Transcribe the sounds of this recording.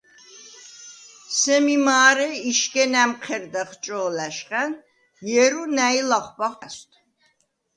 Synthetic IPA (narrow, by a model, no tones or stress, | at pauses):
sɛmimaːɾɛiʃkʼɛnæmqʰɛɾd̪aχt͡ʃʼɔːlæʃqʼɛn | jɛɾunæilaχbaχast̪ʰ